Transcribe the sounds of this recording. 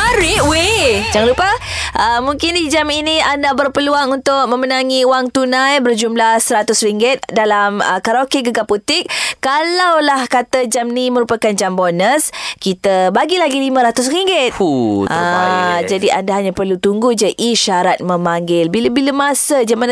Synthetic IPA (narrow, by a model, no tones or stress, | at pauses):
aɾiwed͡ʒaŋlupə | ʔəmuŋkɪndid͡ʒaminiandabərpəluaŋunt̪ʊk̚mə̃mənaŋiuwaŋt̪unãjbərd͡ʒumlahsəɾat̪ʊsriŋɡɪt̪̚dalamə̰kaɾokeɡəɡaput̪ɪk̚kːalawlahkat̪ad͡ʒamniməɾupakand͡ʒambonəskit̪abaɡilaɡilimãɾat̪ʊs̬riŋɡɪt̪ʔad͡ʒadiʔa̰ndaɦaɲapərlut̪uŋɡud͡ʒəʔiʃaɾat̪̚mə̃maŋɡɪlbiləbiləmasəd͡ʒaman